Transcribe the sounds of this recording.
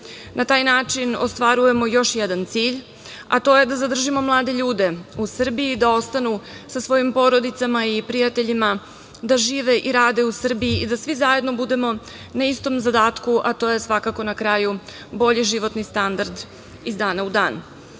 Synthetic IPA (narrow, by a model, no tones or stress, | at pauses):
nʔat̪aːjnaːt͡ʂino̞st̪ʋaɾuje̞mo̞jo̞ʃjɛd̪ant̪siːʎ | a̰t̪o̞je̞d̪azad̪r̩ʒimo̞mlˠaːd̪e̞ʎuːd̪e̞usr̩biid̪ao̞st̪anusasʋo̞jimpo̞ɾo̞d̪it̪samaipɾijat̪e̞ʎima | d̪aʒiːʋe̞ʔiɾaːd̪e̞usr̩biiid̪asʋizaje̞d̪no̞bud̪e̞mo̞ | naist̪o̞mzad̪aːt̪kuʔat̪o̞ːje̞sʋakako̞nakɾaːju | bo̞ʎiʒiʋo̞t̪nist̪and̪aɾd̪ | izd̪aːnaud̪aːn